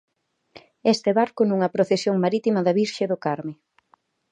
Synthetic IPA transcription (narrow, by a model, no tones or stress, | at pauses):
est̪ɪβaɾkʊnuŋɐpɾoθesjoŋmaɾit̪imɐðɐβiɾʃeðʊkaɾmɪ